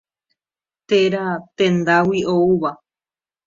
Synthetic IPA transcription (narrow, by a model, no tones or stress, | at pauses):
t̪eɾat̪ẽ̞nd̪awiouβa